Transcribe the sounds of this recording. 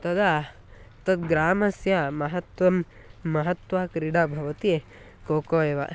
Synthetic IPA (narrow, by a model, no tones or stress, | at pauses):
t̪ɐd̪a | t̪ɐt̪ɡɾaːmɐsjamɐɦɐt̪ʋɐmː | ɐɦɐt̪ʋaːkɾiɽabʱɐʋɐt̪i | koːkoːjeːʋɐ̰